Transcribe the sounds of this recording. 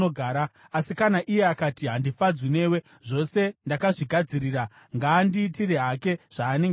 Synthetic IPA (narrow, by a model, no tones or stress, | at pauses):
oɡʱaːɾa | asikanaʔije̞akatiɦandifad͡zwine̞ːwe̞ | ʐo̞se̞ndakaʐiɡʱad͡ziriːra | ŋɡaːndiːtireɦake̞ʐ̥aːne̞ŋɡ